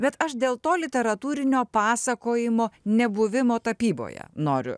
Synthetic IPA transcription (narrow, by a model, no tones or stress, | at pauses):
bʲɛt̪ɐʃd̪ʲeːlˠt̪oːlʲɪt̪ʲɛɾɐt̪uːɾʲɪnʲoːpɑːsɐkoːjɪmoːnʲɛbʊʋʲɪmoːt̪ɐpʲiːbo̰ːjɛ̰noːɾʲʊ̰